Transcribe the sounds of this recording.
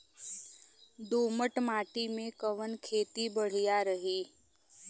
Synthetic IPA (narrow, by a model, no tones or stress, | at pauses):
d̪oːməʈmaːʈimẽkəʋənkʰeːt̪ibəɽ̤ijaɾəɦiː